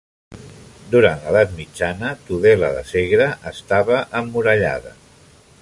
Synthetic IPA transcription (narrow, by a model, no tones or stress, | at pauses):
d̪uɾanləðat̪mid͡ʒanət̪uðɛlə̰ðə̰seɣɾəəst̪aβəʔəmːuɾəʎa̰ðə̰